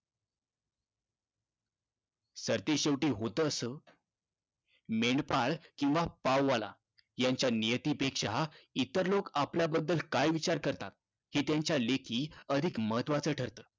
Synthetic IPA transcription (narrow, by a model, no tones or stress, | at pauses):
səɾt̪eɕeʋʈiːɦot̪əːsəː | meɳɖpaɭkĩw̃ʋapawːala̰ | jaɲt͡ɕjanijət̪iːpekʂait̪əɾlokapljabəd̪ːəlkajʋit͡ɕaɾkəɾt̪at̪̚ | hiːt̪jaɲt͡ɕjalekʰiːəd̪ʱikməɦət̪ʋat͡səːʈʰəɾt̪əː